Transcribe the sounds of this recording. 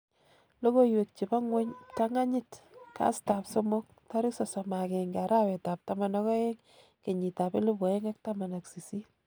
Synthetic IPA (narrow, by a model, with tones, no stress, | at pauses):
lo˦ko˦jwe˨k̚t͡ʃi˨ba˦ŋwe˦ɲta˦ŋa˦ɲɪ˦tka̰˦sta˨pso˦mo˦k̚ta˦ɾɪ˦ksɔ˨sɔ˨ma˨ke˨ŋɡa˨ɾa˦wɛ˨ta˨p̚ta˨ma˨nɔ˦kɔ˦e˦ŋ | ke˨ɲi˨ta˨pe˦lo˦pɔ˨e˦ŋa˦k̚ta˦ma˨na˨ksi˨si˦